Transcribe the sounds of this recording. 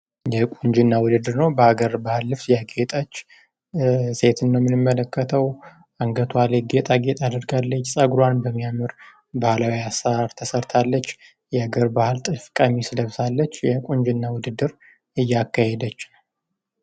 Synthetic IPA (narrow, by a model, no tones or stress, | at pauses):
jɛkʼuɲd͡ʒɨnːawʊd̪ɨd̪ːɨɾnəwbəhaɡəɾbahɨlːɨβsjaɡet̪ʼət͡ʃː | se̞t̪ʰɨnːəwmɨnɨmːələkːət̪ʰəw | aŋɡət̪ʰwaleɡet̪ʼaɡet̪ʼad̪ɨɾɡalːət͡ʃːsʼəɡɾwanbəmːijamɨɾ | bahlawiasaaɾt̪ʰəsəɾt̪ʰalːət͡ʃː | jɛhaɡəɾbahɨlt̪ʼɨfkʼamisɨləβsalːət͡ʃːjɛkʷʼuɲd͡ʒɨnːawʊd̪ɨd̪ɨɾ | ɨjːakːahed̪ət͡ʃː